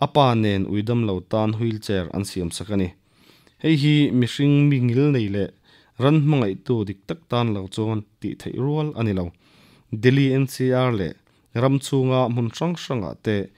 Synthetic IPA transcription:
ʔɐpaːnɛnʔṵjdɐmlɐwt̪aːnɦujlt͡sɛɾʔɐ̰nsiəmsɐkɐni | hɛjɦimiʂiŋmiŋilnejlɛʔ | rɐnm̥ɐŋɐjt̪ud̪ik̚t̪ɐk̚t̪aːnlɐwt͡sɔnt̪ḭt̪ʰejruəlʔɐnilɐw | d̪ɛliɛnsiarlɛ̰ | rɐmt͡sʰuŋaʔm̥ʊnʂɐŋʂɐŋa̰ʔt̪eː

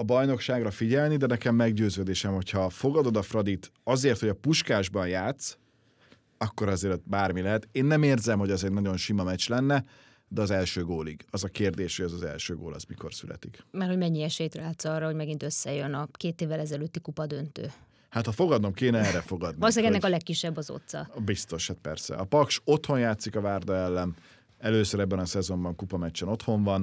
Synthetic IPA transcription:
ɒbɒjno̞kʃaːɡrɒfiɟɛlnid̪ɛnɛkɛmːɛɡɟøːzøːd̪eːʃɛmho̞cʰhɒfo̞ɡɒd̪o̞d̪ɒfrɒd̪it̪ɒzeːrt̪hoɒpuʃkaːʒbɒnjaːt̪s | ɒkːo̞ɾɒzeːɾt̪baːrmilɛɦɛt̪eːnːɛmeːrzɛmho̞ɟɒzɛɟnɒɟo̞nʃimɒmɛt͡ʃlɛnːɛ | d̪ɛɒzɛlʃøːɡoːliɡɒzɒkeːrd̪eːʃhoɟɛzɒzɛ̰lʃøːɡo̰ːlɒ̰zmiko̞̰rsylɛ̰t̪ikmɛrho̞ɟmɛɲːiɛʃɛjt̪raːt̪sɒːrːɒhoɟmɛɡint̪øsːɛjønɒkeːt̪eːvːɛlɛzɛløːt̪ːikupɒd̪ønt̪ø̰ː | hat̪hɒfo̞ɡɒd̪no̞mkeːnɛɛːɾɛfo̞ɡɒd̪niɒloseɛɡɛnːɛkɒlɛkːiʃːɛbːɒzo̰t̪sɒ̰bist̪o̞ʃhat̪̚pɛ̰rsɛ̰ɒpɒkʃo̞t̪ho̞njaːt̪sikɒvaːrd̪ɒɛlːɛn | ɛløːsøɾɛbːɛnɒsɛzo̞mbɒŋkupɒmɛt͡ʃːɛno̞t̪ho̞ɱvɒn

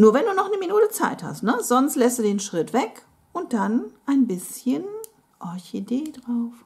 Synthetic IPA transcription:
nuːɐvɛnduːnɔχnəminuːtət͡sa̰ɪtha̰stnəz̥ɔnstlɛsdudeːnʃʁ̥ɪtv̥ɛk | ʊnt̚d̥anʔaɪnbɪsçən | ʔɔɐçedeːdʁaʊf

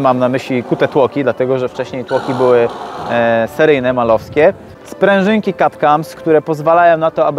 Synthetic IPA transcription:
mamnamɘɕlʲikut̪ɛt̪wɔkʲid̪lat̪ɛɡɔʐɛft͡ʂɛɕɲejt̪wɔkʲibɘwɘ | sɛɾɘjnɛmalɔfskʲɛ | spɾɛ̃w̃ʐɘŋkʲikat̪kamskt̪uɾɛpɔzvalajɔ̃w̃nat̪ɔab

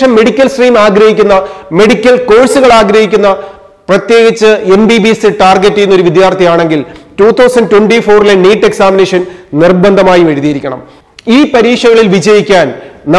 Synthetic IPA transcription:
ɐmːe̞ɽikʲːɐlsriːmaːɡɾɐhikʲːunːɐme̞ɽikʲːɐlko̞ːɻsuɣɐɭaːɡɾɐɦikʲːunːɐ | prɐt̪je̞ːɡit͡ɕːɨe̞mbibisɨʈaːrɡɐtːijunːo̞ɾuʋid̪jaːrt̪ʰɐjaːɳe̞ŋɡiltuːt̪ʰːɐwsɐnɖʈweɳɖifoːrileniːʈːe̞ksaːmineːʂɐnnirbɐnd̪ʱɐmaːjiʋɐɻuðijɐɾikʲːɐɳɐ̰m | iːpɐɾiːʂɐɣɐɭilʋid͡ʑɐjikʲːaːnn

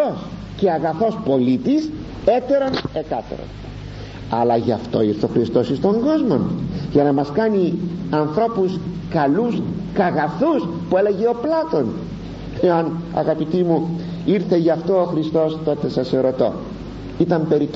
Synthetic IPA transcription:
os | ce̞ɐɣɐθo̞spo̞lit̪is | e̞t̪e̞ɾo̞ne̞t̪ɐt̪ḛɾo̰n | ɐlɐʝɐft̪o̞̰iɾθeo̞xɾist̪o̞sist̪o̞ŋɡo̞zmo̞nʝɐnɐmɐskɐniɐnθɾo̞puskɐlus | kɐɣɐθuspue̞le̞ʝe̞o̞plɐt̪o̞n | eɐnɐ̰ɣɐpit̪imu | iɾθe̞ʝɐft̪o̞oxɾist̪o̞st̪o̞t̪e̞sɐse̞ɾo̞t̪o̞̰ | it̪ɐmpe̞ɾit̪

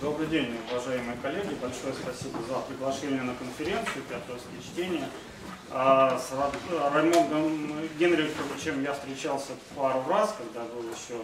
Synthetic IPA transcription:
d̪o̞bɾɨdʲenʲʊvɐʐajɪmɨjəkɐlʲːeɡʲɪbɐlʲʂo̞jəspɐsʲibəzəpɾʲɪɡlˠɐʂenʲɪjənəkənfʲɪɾʲe̞nt̪sɨjʊpʲat̪oskʲɪjət͡ɕtʲenʲɪjə | asrɐrɐmʲonɡəmɡʲenɾʲɪʊt̪ʲovət͡ɕemjafst̪ʲɾʲɪt͡ɕalˠsʲəfpaɾʊraskɐɡd̪abɨlˠjɪɕːo

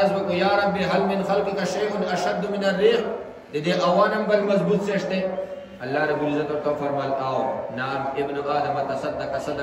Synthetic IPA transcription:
ɐzbɐkujaːɾɐbːiɦɐlmɪnxɐlqikɐʃeːʊnɐʃɐd̪ːuminɐrːiːx | d̪ed̪eʔɐwaːnɐmbɐlmɐzbuːt̪seːʂt̪e | ɐlːaːɾɐbulizɐt̪oːt̪oːfɐɾmɐlawnaːmɪbnuaːd̪ɐmɐt̪ɐsɐt̪̚d̪ɐkɐsɐd̪

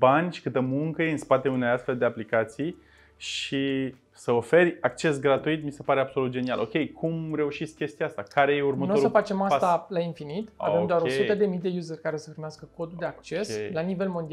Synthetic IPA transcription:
banʲʃi̥kɨt̪əmuŋkəjeɨnspat̪eunejast̪fe̞ld̪e̞aplikat̪sij | ʃi | səo̞fe̞rʲakt͡ʃe̞s̬ɡɾat̪uit̪mise̞paɾe̞abso̞lut̪̚d͡ʒe̞nia̰lʔo̞̰kʲe̞jkʰumre̞uʃit̪sʲkʲe̞st̪ijaast̪akaɾe̞jeurmətnoosusəfat͡ʃe̞mast̪alainfinit̪a̰vemd̪oaɾosut̪əd̪e̞mijd̪e̞juzərʲkaɾe̞səpɾimeaskəko̞d̪uld̪e̞akt͡ʃe̞slanive̞lmo̞nd̪ia

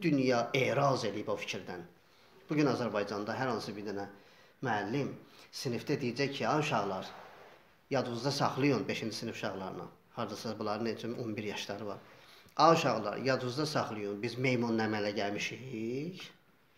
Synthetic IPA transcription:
d̪ynjɑeːɾɑze̞lijibofi̥cʰiɾd̪æn | b̥uɟynɑzæɾbɑjd͡ʒɑnd̪ɑɦæɾhɑnsɯbiɾd̪ænæ | myælːimsinift̪æd̪ijid͡ʒæjcʰiɑuʃɑɣlˠɑɾ | jɑd̪uzd̪ɑsɑχlˠɯjunbeʃind͡ʒisinifʃɑɣlˠɑɾɯnɑ̰ | hɑɾd̪ɑsɑbulˠɑɾɯnet͡ʃʰynonbiɾjɑʃd̪ɑɾɯvɑ̰ɾɑuʃɑɣlˠɑ̰ɾjɑd̪uzd̪ɑsɑχlˠɯjunbizme̞jmunːæmælæɟælmiʃiç

